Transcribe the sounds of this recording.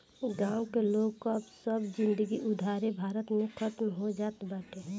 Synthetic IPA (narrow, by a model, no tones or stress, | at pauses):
ɡãːwkeloɡkoəbsəbd͡ʒɪ̃nd̪əɡiʔʊd̪ʱaːɾebʱaːɾət̪mekʰət̪mɦod͡ʒaːt̪baːʈe